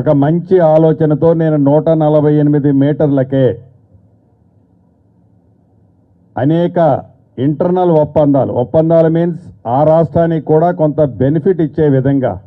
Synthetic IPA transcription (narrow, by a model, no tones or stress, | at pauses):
ɔkɐmɐɲt͡ʃiaːlɔːt͡ʃɐnɐt̪o̞ːne̞ːnunuːʈɐnɐlɐbʱɐjenimid̪imiːʈɐɾlɐkeː | ɐ̰nɛːkɐ | iɳʈɐɾnɐlupːɐnd̪a̰ːlṵɔpːɐnd̪aːlumiːnsaːɾaːʂʈɾaːnikuːɽaːkont̪ɐbe̞nipʰiʈit͡ʃːe̞ːʋid̪ʱɐŋɡa̰ː